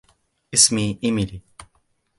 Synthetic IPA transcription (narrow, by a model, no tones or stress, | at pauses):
ɪsmiɪmiɾi